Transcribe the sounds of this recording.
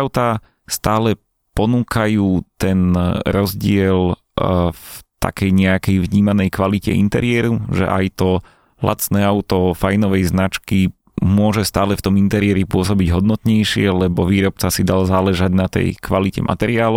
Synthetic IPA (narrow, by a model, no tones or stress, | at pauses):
aʊt̪a | st̪aːlɛ | pɔnuːkajuːt̪ɛnɾɔzɟɪɛl | ft̪a̰kɛjɲɛakɛjvɲiːmanɛjkʋalicɛ̰ḭnt̪ɛɾɪɛɾuʒɛ̰ʔa̰jt̪ɔ | la̰t͡snɛaʊt̪ɔfajnɔʋɛjznat͡ʃki | mʊɔʒɛst̪aːlɛft̪ɔmint̪ɛɾɪɛɾipʊɔs̬ɔbiɟɦɔd̪nɔt̪ɲɛjʃɪɛlɛbɔʋiːɾɔp̚t͡sasid̪alzaːlɛʒaɟnat̪ɛ̰jkʋalicɛ̰mʔa̰t̪ɛɾɪaːlɔ